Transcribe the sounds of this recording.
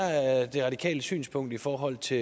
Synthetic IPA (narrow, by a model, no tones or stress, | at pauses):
d̥e̝ʁɑ̈ɾikʰɛ̰ːləsy̰ːnspʰɔ̽ŋ̰d̥ifɒːɦɒ̽l̰t͡sʰe̝